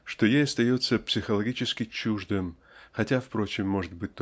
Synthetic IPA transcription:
ʂt̪o̞jejɐst̪ɐjo̞t̪səpsʲɪxəlˠɐɡʲit͡ɕɪskʲɪt͡ɕuʐd̪ɨm | xɐtʲafpɾo̞t͡ɕɪmːo̞ʐɨt̪̚bɨt̚ʲt̪

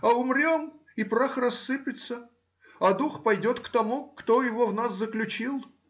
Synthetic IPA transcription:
ɐʊmɾʲom | ɪpɾaxrɐsːɨpʲɪt̪sə | ɐd̪uxpɐjdʲo̞t̪kt̪ɐmukt̪ojɪvovnaszəklʲʉt͡ɕilˠ

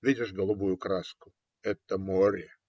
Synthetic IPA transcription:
vʲidʲɪʂɡəlˠʊbujʊkɾaskʊ | ɛt̪ːəmoɾʲe

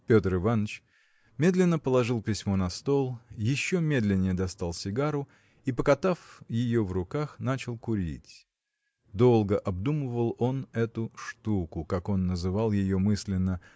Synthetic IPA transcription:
pʲo̞t̪əɾɨvanːət͡ɕ | mʲe̞d̪lʲɪnːəpəlˠɐʐɨlˠpʲɪsʲmo̞nɐst̪o̞lˠjɪɕːo̞mʲe̞d̪lʲɪnʲːɪjəd̪ɐst̪alˠsʲɪɡaɾʊ | ipəkɐt̪afjɪjo̞vrʊkaxnat͡ɕɪlˠkʊɾʲḭtʲ | d̪o̞lˠɡəʔɐbd̪uməvəlˠo̞nɛt̪ʊʂt̪ukʊkako̞nːəzɨvalˠjɪjo̞mɨsʲlʲɪnːə

